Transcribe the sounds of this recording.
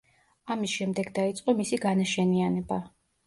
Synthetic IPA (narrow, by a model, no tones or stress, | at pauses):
amisʃɛmd̪ɛɡd̪ait̪sʼqʼɔmisiɡanaʃɛnianɛba